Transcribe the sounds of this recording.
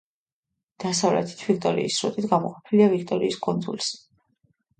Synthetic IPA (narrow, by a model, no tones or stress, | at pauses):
d̪̥asavlɛ̰t̪ʰi̥t̪ʰvik̚ʰt̪ʼɔɾḭiːsːɾṵt̪ʼit̪ɡamɔqʼɔpʰiliavik̚ʰt̪ʼɔɾiːskʼund̪zṵlis